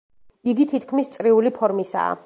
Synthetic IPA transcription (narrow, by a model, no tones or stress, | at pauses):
iɡit̪ʰit̪ʰkʰmist̪sʼɾiulipʰɔɾmisa̰ː